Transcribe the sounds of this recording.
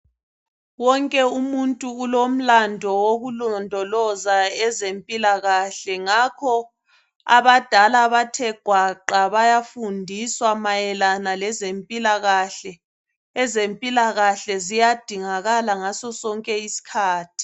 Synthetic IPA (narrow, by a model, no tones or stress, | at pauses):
wɔŋkʼɛumuntʼuːlom̩landʱɔwoɣulɔndʱɔlɔzaɛzempʼilaɣaɬɛŋakʰɔ | a̰βad̥ʱalaβatʰɛɡ̥ʱwaǃaβajafundʱiswamajɛlanalɛzempʼilaɣaɬɛ | ɛzempʼilaɣaɬɛzijad̥ʱiŋaɣalaŋasɔsɔŋkʼɛisi̥kʰaːtʰi̥